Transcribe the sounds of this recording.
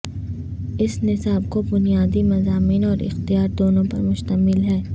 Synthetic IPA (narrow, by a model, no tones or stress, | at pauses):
ɪsnɪsaːbkobʊnijaːd̪imɐzaːmiːnɔːɾɪ̰xt̪ijaːɾd̪oːnõpɐɾmʊʃt̪əmɪlɦɛː